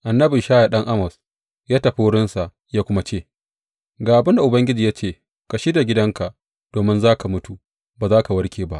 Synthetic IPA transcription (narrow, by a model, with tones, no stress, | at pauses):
ʔa˨nːɐ˦bi˨ʃaː˦ja˨ɗɐ˦ŋʔa˦mɐ˨s | jaː˦tɐ˨ɸi˦wʊ˦ɽɪ˦nsa˨ʔ | jaː˦kʷʊ˦ma˦t͡ʃeː˦˨ | ɡaː˨ʔa˨bɪ˦nda˨ʔʊ˨bɐ˦ŋɡʲɪ˦d͡ʒiː˨jaː˦t͡ʃeː˦˨ | ka˨ʃi˦da˨ɡʲɪ˦dɐ˦ŋka˨ʔ | d̥oː˨mɪ˦nzaː˦ka˨mʊ˦tu˨ | baː˨zaː˦ka˨wɐ˦rkʲʰeː˨ba˦ʔ